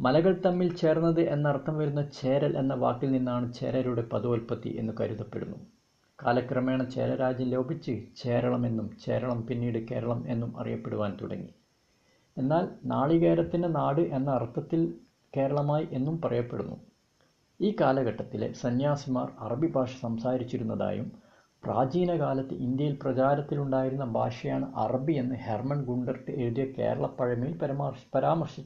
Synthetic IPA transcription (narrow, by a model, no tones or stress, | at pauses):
mɐlɐɣɐɭt̪ɐmːilt͡ɕe̞ːrnːɐðɨʔenːɐɐrt̪ʰːɐmʋɐɾunːɐt͡ɕe̞ːɾɐlʔe̞nːɐʋa̰ːkːilninːaːɳɨt͡ɕe̞̰ːɾɐɾuɽe̞pɐðuolpɐt̪ːḭʔe̞̰nːukɐɾuðɐpːe̞̰ɽunːu | kaːlɐkrɐmeːɳɐt͡ɕeːɾɐɾaːd͡ʑjɐmlo̞ːbʱit͡ɕːɨt͡ɕe̞ːɾɐɭɐme̞nːumt͡ɕe̞̰ːɾɐɭɐmpinːiːɽɨke̞ːɾɐɭɐme̞̰nːumɐ̰rḭjɐpːe̞ɽuʋaːnt̪ṵɽɐ̰ŋːḭ | e̞nːaːlnaːɭiɣeːɾɐt̪ːindenaːɽɨʔe̞nːɐːrt̪ʰːɐt̪ːil | ke̞ːɾɐɭɐmaːjiʔe̞nːumpɐrɐjɐpːe̞̰ɽunːṵ | iːkaːlɐɡɐʈːɐt̪ːilḛsɐnjaːsimaːrɐrɐbibʱaːʂɐ̥sɐmsaːɾit͡ɕːiɾunːɐða̰ːjṵm | pra̰ːd͡ʑiːnɐkaːlɐt̪ːɨ̰ʔind̪jɐjilprɐt͡ɕaːɾɐt̪ːiluɳɖaːjiɾunːɐbʱa̰ːʂɐjaːɳɨʔɐrɐbie̞nːɨhermɐɳɡuɳɖɐrkɨe̞ɾuðijɐke̞̰ːɾɐɭɐpːɐɻɐmilpɐɾɐmarpɐɾaːmɐrʂit͡ɕː